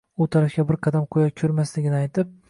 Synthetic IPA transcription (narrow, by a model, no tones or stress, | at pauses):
ʊt̪ʰaɾafkʲabɪɾqʰɑd̪amqʰojakʲʰɵɾmaslɪɡʲɪnɪajt̪ɪp̚